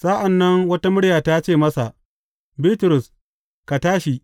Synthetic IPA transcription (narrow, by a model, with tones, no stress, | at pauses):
sa˦ʔa˨nːɐ˦ŋwɐ˦ta˦mʊ˦ɽjaː˨ta˦t͡ʃeː˦˨mɐ˦sa˨ʔ | biː˦tʊ˨ɾʊ˨s | ka˨taː˦ʃi˨